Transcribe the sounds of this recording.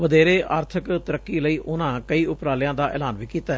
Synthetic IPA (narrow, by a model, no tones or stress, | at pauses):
ʋəd̪eːɾeːʔaːɾt̪ʰəkt̪əɾəkːiːləiːʔʊnãːkəiːʊpɾaːlɪjãːd̪aːʔɛ̰ːlaːnʋiːkiːt̪aːɦ